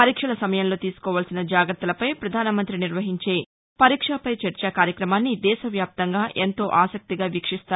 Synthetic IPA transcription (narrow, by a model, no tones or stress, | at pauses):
pɐɾiːkʂɐlɐsɐmɐjɐnlo̞ːt̪iːsu̥kɔːʋaːlsinɐd͡ʒaːɡɾɐt̪ːɐlɐpɐjpɾɐd̪ʱaːnɐmɐnt̪ɾiniɾʋɐɦiɲt͡ʃe̞ː | pɐɾiːkʂaːpɐjt͡ʃɐɾt͡ʃaːkaːɾjɐkɾɐmaːnːid̪ɛːʃɐʋjaːp̚t̪ɐŋɡaːʔe̞nt̪o̞ːʔaːsɐk̚t̪iɡaːʋikʂist̪aː